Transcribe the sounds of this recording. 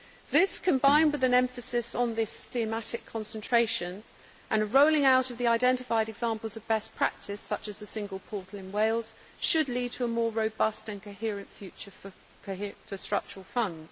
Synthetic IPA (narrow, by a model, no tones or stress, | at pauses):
ðɪskʰə̃mbãɪ̃nd̚wɨðɨ̃nɛ̃ɱfəsɪsn̩ðɪsθiəmatɪkʰɒ̃nsə̃ntʰɹ̥eɪʃə̃n | ʔə̃nɹəʊlɪ̃ŋaʊɾʌvðiaɪdɛ̃ntɪfaɪɾɛɡzɑ̃mpəl̩ˠzəvbɛspʰɹ̥a̰k̚tʰɪsʌt͡ʃəzðəsɪ̃ŋɡəlˠpʰɔˑtʰˡl̩ˠɪ̃nweɪlˠz̥ | ʃɨdˡlid̚tʰəːmɔːɹəʊbʌstə̃nkʰəʊhɪɹɨ̃ntfjʉt͡ʃəf | kʰəɪfəstɹ̥ʌ̰k̚t͡ʃəɹəl̩ˠfʌ̃ndz̥